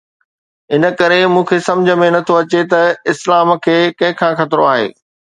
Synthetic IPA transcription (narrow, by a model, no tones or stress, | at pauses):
ɪnə̆kɐɾemũːkʰesɐ̃md͡ʑʱə̆mẽnɐt̪ʰoɐt͡ɕet̪ɐɪslaːmkʰeːkɐ̃ɦɪ̃kʰãːxɐt̪ɪɾoaːɦḛː